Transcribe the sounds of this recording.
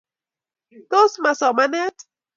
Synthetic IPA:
t̪o˦sma˨sɔ˨mane˦t

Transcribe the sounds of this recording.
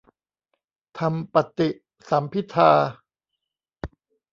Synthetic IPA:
t̪ʰa˧mpa˨˩t̪i˨˩ʔ | sa˩˦mpʰi˦˥t̪ʰaː˧

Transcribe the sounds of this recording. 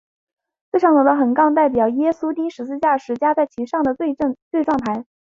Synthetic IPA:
t͡se˥˧ʂʰɑ˥˩ŋt͡sɔ˨˩d̪ə˥xə˨˩nkɑ˥˧ŋt̪̬a˥˩ɪp̬jɑ˨˩ʊjɛ˥su˥t̪i˥nʂɻ̩˧˥t͡sɹ̩˥˧t͡ɕja˥˩ʂɻ̩˧˥t͡ɕja˥t͡sa˥˩ɪt͡ɕʰi˧˥ʂɑ˥˩ŋd̪ə˩we˥˧˥t͡swe˥˧ɪʈ͡ʂwɑ˥˧ŋt̪ʰa˧˥ɪ

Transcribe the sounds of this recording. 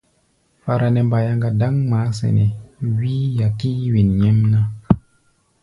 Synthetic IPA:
fa˧ɾa˧ne˨mba˨ja˧ŋɡa˨da˦ŋma˨˦sḛ˨ne˨wi˦ja˨ki˦wi˨nɲe˦mna˦

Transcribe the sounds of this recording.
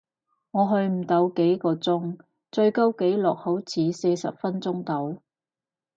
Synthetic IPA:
ŋɔː˨˧ɦɵ˧ɥm̩˨˩t̪ɐ˨˥wke˨˥jkɔː˧t͡sʊ˥ŋ | t͡sɵ˧ɥkɐ˥wke˨˥jlɔː˨k̚ho˨˥wt͡sʰiː˨˧se˧jsɐ̰˨p̚fɐ˥nt͡sʊ˥ŋt̪o˨˥w

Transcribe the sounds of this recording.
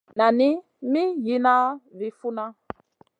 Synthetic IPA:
na˨nɪ˦ | mi˦ji˦na˦vi˨fu˦na˦

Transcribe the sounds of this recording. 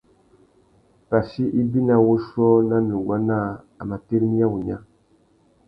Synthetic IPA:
pa˨si˦ʔi˦bi˦na˨wo˦sɔ˦na˦nu˨ɡwa˦na˦˨ | a˨ma˨te˦ɾmi˦a˦wu˨ɲa˦

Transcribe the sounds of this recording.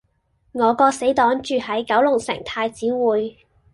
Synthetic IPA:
ŋɔː˨˧kɔː˧se˨˥jt̪ɔː˨˥ŋt͡ʃyː˨˧hɐ˨˥jkɐ˨˥wlʊ˨˩ŋsɪ̰˨˩ŋt̪ʰaː˧jt͡siː˨˥wuː˨˧j

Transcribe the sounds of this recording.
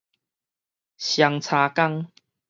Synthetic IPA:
ɕja˧ŋt͡sʰaː˧ka˥˧ŋ

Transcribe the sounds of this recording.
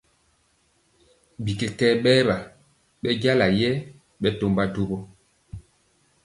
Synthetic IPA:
bi˨ke˨tɛ˦ɓɛ˦ɓa˨ | ɓɛ˦ɟa˦la˨jɛ˦ | ɓɛ˦to˨mba˦do˦bɔ˦

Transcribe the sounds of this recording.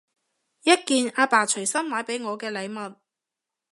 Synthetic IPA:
jɐ˥t̚kiː˨˧naː˧paː˨˩t͡ʃʰɵ˨˩jsɐ˥mwaː˨˥jpe˨˥jŋɔː˨˧kɛː˧lɐ˨˧jmɐ˨t̚

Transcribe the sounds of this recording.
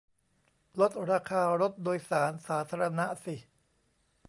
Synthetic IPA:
lo˦˥t̪̚ɾaː˧kʰaː˧ɾo˦˥t̪̚doː˧jsaː˩˦nsaː˩˦t̪ʰaː˧ɾa˧na˦˥si˨˩

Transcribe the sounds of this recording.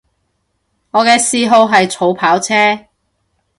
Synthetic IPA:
ŋɔː˨˧kɛː˧siː˧ɦo˧wɦɐ˨jt͡sʰo˨˧wpʰaː˨˥wt͡sʰɛː˥

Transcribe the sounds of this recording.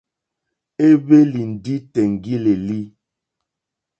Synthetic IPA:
e˦be˦li˨n̩˨di˦tɛ˨ŋ˨ɡi˦le˨li˦

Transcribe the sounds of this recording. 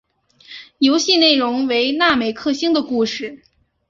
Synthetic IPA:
jo˧˥ʊɕi˥˧ne˥˩ɪɻʊ˧˥ŋwe˧˥ɪna˥˩me˨˩ɪkʰɤ˥˧ɕi˥ŋd̪ə˨ku˥˧ʂɻ̩˥˩

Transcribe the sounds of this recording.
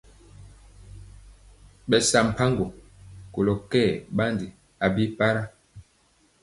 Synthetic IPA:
ɓɛ˨sa˨m̩˨pʰa˦ŋɡo˨ko˨lo˨kɛ˦˨ɓa˦ndi˨ | a˨bi˦pa˦ɾa˦

